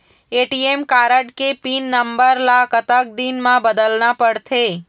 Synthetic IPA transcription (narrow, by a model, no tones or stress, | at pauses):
eʈiemkaɾəʈkepinːəmbəɾlakət̪ak̚d̪inmãbəd̪əlnapəɽt̪ʰe